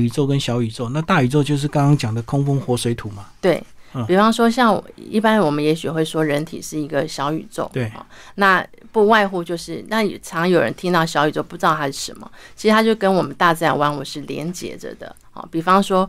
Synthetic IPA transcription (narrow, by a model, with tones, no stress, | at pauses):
y˨˩t͡so˥˩ʊkə˦nɕjɑ˧˥ʊy˨˩t͡so˥˩ʊ˦na˥˧t̪a˥˩y˨˩t͡so˥˧ʊt͡ɕjo˥˧ʊʂ̬ɻ̩˥˩kɑ˥ŋkɑ˥ŋt͡ɕjɑ˨˩ŋd̪ə˦kʰʊ˥ŋfo˥ŋxwɔ˧˥swe˧˥ɪt̪ʰu˨˩˦ma˦t̪we˥˩ɪ˩pi˨˩fɑ˥ŋʂwɔ˥ɕjɑ˥˩ŋ̰˩ḭ˥˩pa˥nwɔ˨˩mə˦njɛ˧˥ɕy˨xwe˥˩ɪʂwɔ˥ɻə˧˥nt̪ʰḭ˨˩ʂɻ̩˥˩i˧˥ɡə˧ɕjɑ˧˥ʊy̰˨˩t͡so̰˥˩ʊt̪xɔ̰˥˩na˥˧ | pu˥˧wa˥˧ɪxu˥˧t͡ɕjo˥˧ʊʂɻ̩˥˩na˥˩˨ʈ͡ʂʰɑ˧˥ŋjo˨˩ɻə̰˧˦nt̪ʰi˥ŋt̪ɑ˥˩ʊɕjɑ˧˥ʊy˨˩t͡so˥˧ʊpu˧ʈ͡ʂ̩˥ɑ˥˨˩t̪ʰa˥ʂɻ̩˥˩ʂə˧˥nmə̰˨t͡ɕʰi˧˥ʂɻ̩ʰ˧a˥t͡ɕjo˥˩ʊkə˥nwɔ˨˩mə˦nt̪a˥˧t͡sa˥˩ɪwa˥nwu˨˥ʂɻ̩˥˩ljɛ̰˧˥nt͡ɕjɛ̰˧˥də̰˧d̪ə̰˨ | xɔ̰˨˩pi˨˩fɑ˥ŋʂwɔ˥